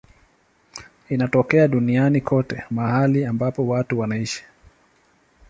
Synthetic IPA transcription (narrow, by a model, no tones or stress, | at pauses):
inatɔkɛaɗunianikʰɔtɛmahaliambapɔwatuwanaiʃi̥